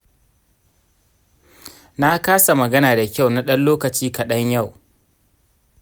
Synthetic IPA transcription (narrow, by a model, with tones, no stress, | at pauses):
na˦kaː˦sa˨mɐ˨ɡɐ˦naː˨da˨kʲa˦˨wna˦ɗɐ˦nloː˦kɐ˨t͡ʃiː˦kɐ˨ɗɐ˦ɲja˦˨w